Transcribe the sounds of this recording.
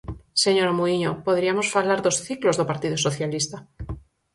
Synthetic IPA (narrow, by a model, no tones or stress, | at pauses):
se̞ɲo̞ɾamuiɲopo̞ðɾiamo̞sfalaɾðo̞sθiklo̞zðopaɾt̪iðoso̞θjalist̪a